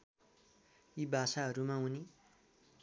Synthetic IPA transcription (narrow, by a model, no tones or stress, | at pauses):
ibʱasaɦʌɾumãuni